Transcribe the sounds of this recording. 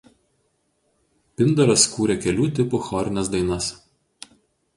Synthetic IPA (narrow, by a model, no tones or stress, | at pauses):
pʲɪnd̪ɐɾɐskuːɾʲɛkʲɛlʲuːt̪ʲɪpʊxɔɾʲɪnʲɛsd̪ɐɪnɐs